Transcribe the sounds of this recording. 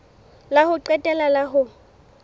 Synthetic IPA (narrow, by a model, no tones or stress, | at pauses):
lahʊǃɛtʼɛlalaɦʊ